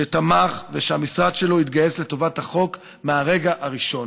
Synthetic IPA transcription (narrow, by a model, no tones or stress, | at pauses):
et̪amaχveʃeamisʁad̪ʃe̞lo̞it̪ɡaje̞sle̞t̪o̞vathaχo̞k | meaʁe̞ɡaʔaʁiʃo̞n